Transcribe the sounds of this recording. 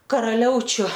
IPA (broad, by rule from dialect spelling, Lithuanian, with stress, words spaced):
kɐrɐˈlʲɛʊt͡ʃʲʊ